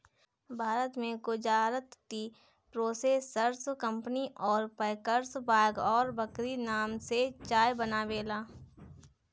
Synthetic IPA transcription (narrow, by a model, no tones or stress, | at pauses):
bʱaːɾət̪mẽɡʊd͡ʒaːɾət̪ːi | pɾoːsesːəɾskə̃mpniʔɔːɾpəɪkəɾsbaːɡɔːɾbəkɾinaːmset͡ʃaːjbənaʋeːlaː